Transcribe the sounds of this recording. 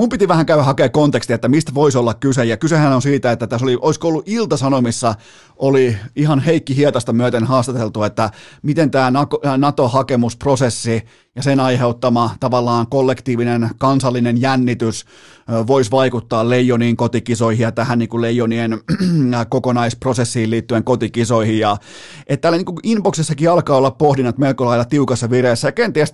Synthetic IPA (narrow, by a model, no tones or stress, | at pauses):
mumpit̪iʋæhæŋkæyʋæhɑkeːkkont̪ekst̪iet̪ːæmist̪ʋoisolːɑkkysejɑkysehænonsiːt̪æet̪ːæt̪æsoliʔoiskoolːuʔilt̪ɑsɑnomisːɑ | oliihɑnheikːihiet̪ɑst̪ɑmyøt̪enhɑːst̪ɑt̪elt̪uet̪ːæmit̪ent̪æːnɑknɑt̪ohɑkemusprosesːi | jɑsenɑiheut̪ːɑmɑt̪ɑʋɑlːɑːŋkolːekt̪iːʋinenkɑnsɑlːinenjænːit̪ys | ʋoisʋɑikut̪ːɑːllejoniːŋkot̪ikisoihijjɑt̪æhænniːŋkulejːonien | kokonɑisprosesːiːiliːt̪ːyeŋkot̪ikisoihijjɑ | ʔet̪t̪ːælːæniːŋkuinpoksesːɑkiɑlkɑːolːɑppohdinːɑt̪melkolɑilːɑt̪iukɑsːɑʋiresːæjɑkent̪iæst̪